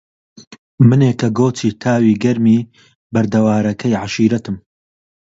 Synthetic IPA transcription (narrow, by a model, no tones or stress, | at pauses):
mɨneːkɐɡoːt͡sʰiːt̪ʰaːwiːɡɐɾmiː | bɐɾd̪ɐwaːɾɐkʰɐjʕaʃiːɾɐt̪ɨm